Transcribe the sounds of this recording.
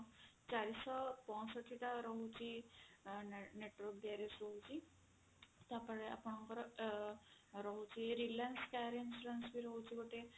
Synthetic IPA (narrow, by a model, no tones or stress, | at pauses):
t͡ɕaɾisɔpɔ̃səʈʰiʈaɾɔɦut͡ɕi | neʈʋɔk̚d̪aɾesɾɔɦut͡ɕi | t̪apəɭea̰pɽ̃ɔŋkɔɾ | ɾɔɦut͡ɕiɾilanskaɾensɾansmiɾɔɦut͡ɕikoʈe